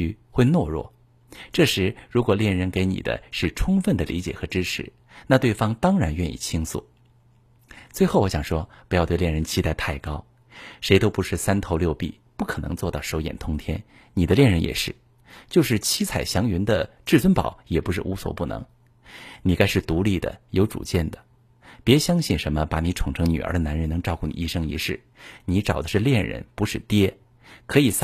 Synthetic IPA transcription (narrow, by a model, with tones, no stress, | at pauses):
y˥xwe˥˧ɪnwɔ˥˧ɻwɔ̰˥˩ | ʈ͡ʂɤ˥˩ʂɻ̩˧˥ɻu˧˥kwɔ˨˩ljɛ˥˩nɻə˧˥nke˧˥ɪnḭ˨˩d̪ə̰˦ʂɻ̩˥˩ʈ͡ʂʰʊ˥ŋfə˥˩nd̪ə˩lḭ˧˥t͡ɕjɛ̰˨˩xɤ˧˥ʈ͡ʂɻ̩˥ʈ͡ʂʰɻ̩˧˦ | na˥˧t̪we˥˩ɪfɑ˥ŋt̪ɑ˥ŋɻa˧˥nɥɛ˥˧nḭ˥˩t͡ɕʰi˥ŋsṵ˥˩ | t͡swe˥˧ɪxo˥˩ʊwɔ˧˥ɕjɑ˨˩ŋʂwɔ˥pu˧˥jt̪we˥˧ɪljɛ˥˩nɻə˧˥nt͡ɕʰi˥t̪a˥˧ɪt̪ʰa˥˩ɪkɑ˥ʊ | ʂe˧˥ɪt̪o˥ʊpu˧˥ʂɻ̩˥˩sa˥nt̪ʰo˧˥ʊljo˥˧ʊpḭ˥˩ | pu˥˩kʰɤ˨˩nɤ̰˧˥ŋt͡swɔ˥˧t̪ɑ˥˩ʊʂo˧˥ʊjɛ̰˨˩nt̪ʰʊ˥ŋt̪ʰjɛ̰˥n | ni˨˩d̪ə˦ljɛ˥˩nɻə˧˥njɛ̰˨˩ʂɻ̩˥˩ | t͡ɕjo˥˧ʊʂɻ̩˥˩t͡ɕʰi˥t͡sʰa˨˩ɪɕjɑ˧˥ŋy˧˥nd̪ə˧ʈ͡ʂɻ̩˥˩t͡swə˥npɑ̰˨˩˦ʊjɛ˨˩pu˧˥ʂɻ̩˥˩ʔu˧˥swɔ̰˨˩pu˥˩nɤ̰˧˥ŋ | ni˨˩ka˥ɪʂɻ̩˥˩t̪u˧˥li˥˩d̪ə̰˩jo˧˥ʊʈ͡ʂṵ˨˩t͡ɕjɛ˥˩nd̪ə˩ | pjɛ˧˥ɕjɑ˥ŋɕi˥˩nʂə˧˥nmə˧pa˧˩ni˧˥ʈ͡ʂʰʊ˨˩ŋʈ͡ʂʰɤ˧˥ŋny˨˩ə̰˞˧˥d̪ə˧na˧˥nɻə˧˥nɤ˧˥ŋʈ͡ʂɑ˥˧ʊku˥˩nḭ˨˥i˥˩ʂɤ˥ŋḭ˧˥ʂɻ̩˥˩ | ni˧˥ʈ͡ʂɑ˨˩ʊd̪ə˦ʂɻ̩˥˧ljɛ˥˩nɻə̰˧˥npu˧˥ʂɻ̩˥˩t̪jɛ˥ | kʰɤ˧˥i˨˩s